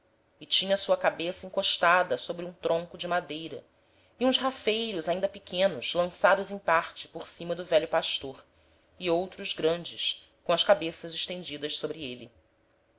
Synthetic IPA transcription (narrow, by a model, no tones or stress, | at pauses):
ɪt͡ʃĩɲɐsuɐkabesɐĩŋkoʃt̪ad̪ɐsobɾɪũt̪ɾõŋkʊd͡ʒɪmad̪ejɾɐ̰ | iũzhafejɾʊzaĩnd̪ɐpɪkʰẽnʊz̥lɐ̃sad̪ʊzẽj̃paɾt͡ʃɪ̥poɾsĩmɐd̪ʊvɛʎjʊpaʃt̪oɾ | iowt̪ɾʊzɡɾɐ̃nd͡ʒɪʃkõɐʃkabesɐzɪʃt̪ẽnd͡ʒid̪ɐʃsobɾɪeli